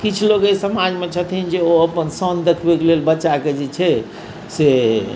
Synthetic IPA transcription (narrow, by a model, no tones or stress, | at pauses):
kit͡ʃʰloɡesəmad͡ʒmet͡ʃʰət̪ʰind͡ʒeoəpənsənd̪ekʰbekelelbətːʃaked͡ʒɛt͡ʃʰɛ | se